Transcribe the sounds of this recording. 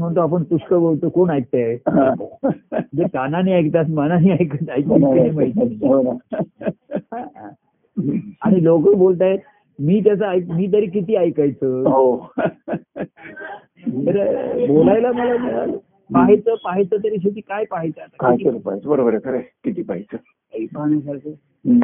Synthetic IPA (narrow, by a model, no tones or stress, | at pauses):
m̤əɳt̪oap̬əɳpuɕkəbolt̪okoɳajk̚t̪aeaod͡ʑekananiːajk̚t̪asmananiːajkat͡sajk̚ikəniːməɭt̪nɦona | ɦã | aɽ̃ilokəbolt̪̬ae | miːt̪̬jat͡saajk̚miːt̪̬əɾiːk̬it̪iːajkajt͡səɦo | t̪əɾbolajlaməlad͡zəa̰ | paɦijt͡səpaɦijt͡səːt̪̬əɾiːɕ̬et̪iːkajpaɦijt͡sat̪akajt͡səɾupa̰jt͡səbəɾobəɾekəɾekit̪iːpaɦijt͡sə | əipaɦɳjasaɾkə